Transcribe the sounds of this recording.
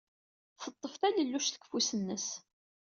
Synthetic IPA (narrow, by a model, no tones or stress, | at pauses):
θət̪ˤːəft̪æləlːuʃθə̥kːfusənːəs